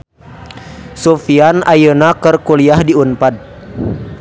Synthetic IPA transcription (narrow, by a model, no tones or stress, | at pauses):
sofianajənakərkuliahdiunpad̪̚